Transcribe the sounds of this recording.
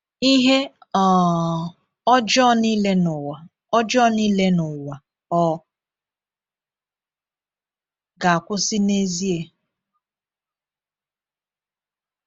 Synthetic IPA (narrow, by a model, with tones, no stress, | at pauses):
i˦ɦe˦ɔ˨ | ɔ˦d͡ʒɔ˦ni˦le˦nʊ˨wa˨ | ɔ˦d͡ʒɔ˦ni˦le˦nʊ˨wa˨ | ɔ˦ | ɡa˨kʷʊ˦sɪ˦ne˦zi˦e˨